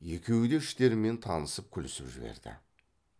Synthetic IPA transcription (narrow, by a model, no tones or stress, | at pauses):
je̞kʲʰe̞wɪd̪eɪʃt̪e̞ɾɪme̞nt̪ʰɑnəsəp̚kʲʰʏlɪsɪpʒɪbe̞̰ɾd̪ɪ̰